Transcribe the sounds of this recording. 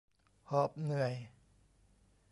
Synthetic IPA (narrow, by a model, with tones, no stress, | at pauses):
hɔː˨˩p̚nɯ˨˩əj